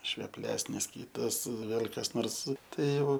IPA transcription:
ʃʲʋʲɛˈpʲlʲæːsʲnʲɪs ˈkʲiːtɐs ˈʋʲeːlʲ kɐs ˈnoːrs ˈtɐɪ ˈjɛʊ

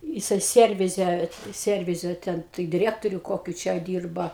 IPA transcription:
jɪˈsɐɪ ˈsʲiɛrʲʋʲɪzʲɛ ˈsʲiɛrʲʋʲɪzʲɛ ˈtʲɛn tɐɪ dʲɪˈrʲiɛktoːrʲʊ ˈkoːkʲʊ t͡ʃʲɛ ˈdʲiːrbɐ

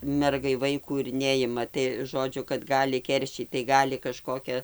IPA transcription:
ˈmʲɛrɡɐɪ ˈʋɐɪkuː ɪr ˈnʲɛɪmɐ tɐɪ ˈʒoːd͡ʒʲʊ kɐt ˈɡɑːlʲɪ ˈkʲɛrʲʃʲiːt tɐɪ ˈɡɑːlʲɪ kɐˈʃkoːkʲɛ

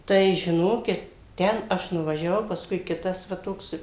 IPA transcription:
ˈtɐɪ ʒʲɪˈnoːkʲɪt ˈtʲɛn ˈɐʃ nʊʋɐʒʲɛˈʋɐʊ pɐsˈkʊɪ ˈkʲɪtɐs ʋɐ ˈtoːks

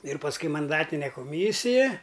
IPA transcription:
ɪr pɐsˈkʊɪ mɐnˈdɑːtʲɪnʲɛ koːˈmʲiːsʲɪjɛ

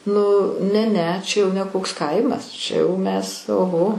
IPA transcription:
nʊ nʲɛ ˈnʲɛ ˈt͡ʃʲɛ jɛʊ nʲɛ ˈkoːks ˈkɐɪmɐs ˈt͡ʃʲɛ jɛʊ ˈmʲɛs oːˈɣoː

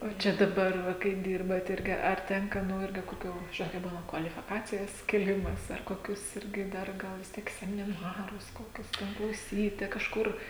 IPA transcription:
oː ˈt͡ʃʲɛ dɐˈbɐr kɐɪ ˈdʲɪrbɐt ˈɪrʲɡʲɪ ɐr ˈtʲɛŋkɐ ˈnʊ ˈɪrʲɡʲɪ koːˈkʲuː ˈʒʲɪnoːt kɐɪ ˈbuːnɐ kʋɐlʲɪfʲɪˈkɑːt͡sʲɪjɛs kʲeːˈlʲɪmɐs ɐr koːˈkʲʊs ˈɪrʲɡʲɪ ˈdɐr ˈɡɐlˠ ʋʲɪs ˈtʲiɛk sʲɛmʲɪˈnɑːrʊs koːˈkʲʊs tʲɛn klˠɐʊˈsʲiːtʲɪ kɐʃˈkʊr

